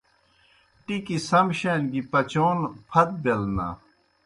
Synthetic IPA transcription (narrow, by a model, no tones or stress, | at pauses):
ʈikisɐmɕenɡipɐt͡ɕoːnpʰɐt̪̚belna̰